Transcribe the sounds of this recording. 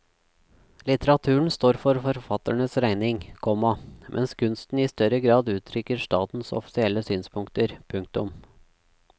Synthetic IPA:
lɪt̪əɾɑt̪ʰʉːɳ̩st̪oːɾfɔɾfɔɾfɑt̪əɳəsɾæɪnɪŋkʰɔmɑmʔɛ̰nskʰʉnst̪n̩iːst̪œɾəɡɾɑːd̪ʉːt̪ʰɾʏkəɾʂʈɑːt̪n̩sɔ̰fɪ̥sɪɛlːəsyːnspʰʊŋkt̪əɾpʰʉŋk̚t̪ʊm

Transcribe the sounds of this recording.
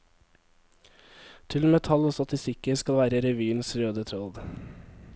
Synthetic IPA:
t̪ʰɪlmɛt̪ʰɑloːst̪ɑt̪ɪst̪ɪkəskɑlʋæːɾəɾɛʋyːənsɾøːd̪ət̪ʰɾoːd̪

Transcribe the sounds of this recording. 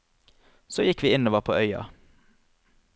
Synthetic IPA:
soːjɪkʋiːɪnoːʋəʁpʰoːʔœʏɑ̰

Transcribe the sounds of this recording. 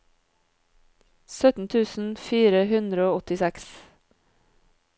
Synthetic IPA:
sœt̪n̩t̪ʰʉːsn̩fiːɾəhʉnd̪ɾəoːɔt̪ɪsɛks

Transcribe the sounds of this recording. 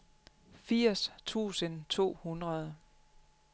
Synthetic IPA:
fiɐ̰st͡sʰṵːsənt͡sʰo̝̰ːhunʁɐð̞ˠ

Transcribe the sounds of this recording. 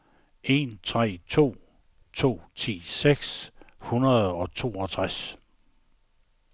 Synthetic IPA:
ʔe̝nt͡sʰʁɛ̰ːt͡sʰo̝̰ː | t͡sʰo̝̰ːt͡sʰḭːseɡ̥shunɐðˠɒ̽t͡sʰo̝̰ːɒ̽t͡sʰʁas

